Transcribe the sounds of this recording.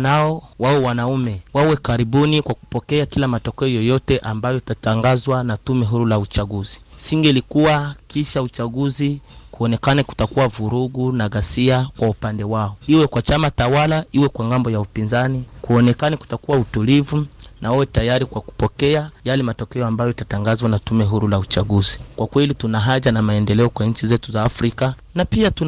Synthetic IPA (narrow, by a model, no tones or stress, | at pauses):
naɔwaɔwanaumɛwawɛkaɾiɓunikwaku̥pɔkɛakilamatɔkɛɔjɔjɔtɛʔambajɔitataŋɡazwanatumɛɦuɾulaut͡ʃaɠuzi̥siŋɡɛlikuwakiʃaut͡ʃaɠuzikuɔnɛkaniku̥takuwavuɾuɡunaɣasiakwaupandɛwaɔiwɛkwat͡ʃamatawalaiwɛkwaŋɡambɔjaupinzanikuɔnɛkaniku̥takuwautulivunawɛwɛtajaɾikwaku̥pɔkɛajalɛmatɔkɛɔambajɔitataŋɡazwanatumɛɦuɾulaut͡ʃaɡuzikwakwɛlitunaɦaʄanamaɛndɛlɛɔkwaɲ̩t͡ʃizɛtuzaːfɾika | napiatu